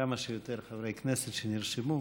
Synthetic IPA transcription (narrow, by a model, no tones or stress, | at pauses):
amaʃejot̪eɾχavɾejkneset̪ʃeniɾʃimu